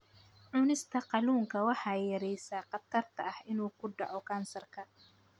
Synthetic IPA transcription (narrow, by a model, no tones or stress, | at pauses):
ʕʊnɪst̪ʰɐqɑluːŋkʰɐwɑħɑːjɐɾɛjsaːqɑt̪ʰɐrt̪ʰɐːhɪnuːkʰʊɖɑ̰ʕɔkʰaːnsɐrkʰɐ